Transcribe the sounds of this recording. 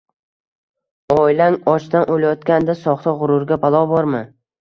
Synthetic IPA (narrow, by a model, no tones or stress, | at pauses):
ɒjlaŋɒt͡ʃt̪anʔolajɒt̪kʲand̪asɒχt̪ʰaʁʊɾʊɾɡʲabalˠɒbɒɾmɪ